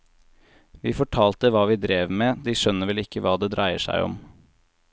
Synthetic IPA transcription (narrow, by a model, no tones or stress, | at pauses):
ʋiːfɔʈʰɑːlt̪əʋɑːʋɪːd̪ɾeːʋmeːd̪iːʃœnːəʋɛlɪkːəʋɑːd̪ɛːd̪ɾæɪəʂæ̰ɪɔ̰m